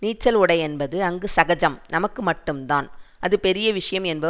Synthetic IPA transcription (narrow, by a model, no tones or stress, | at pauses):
niːʈt͡ʃːɐlʊɽɐɪɛnbɐðɯɐŋɡɯsɐɣɐd͡ʒɐmnɐmɐkːɯmɐʈːɯmt̪aːnʔɐðɯpɛɾɪjɐʋɪʂɐjɐmɛnbɐ